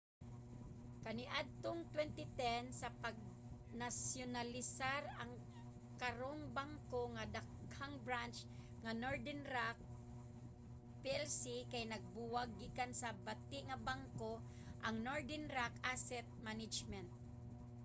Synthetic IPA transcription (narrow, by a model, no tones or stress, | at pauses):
kɐnɪʔad̪̚t̪oŋt̪wɛnt̪ɪt̪ɛnsɐpɐɡ̚ | nasjonalɪsaɾɐŋ | kɐɾoŋbaŋkoŋad̪aɡhaŋbɹant͡ʃ | ŋɐnoɹd̪ɛnɾak̚ | piɛlsikajnɐɡ̚buwaɡːikansɐbat̪ɪʔŋɐbaŋko | ʔɐŋnoɹd̪ɛnɾakasɛt̪̚manɪd͡ʒmɛnt̪̚